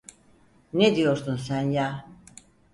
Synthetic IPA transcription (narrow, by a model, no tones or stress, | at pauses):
ned̪ijo̞ɾsuns̬ænja